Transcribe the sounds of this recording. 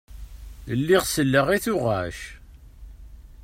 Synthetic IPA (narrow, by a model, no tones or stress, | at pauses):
əlːiʁsəlːəʁiθʊʁæʃ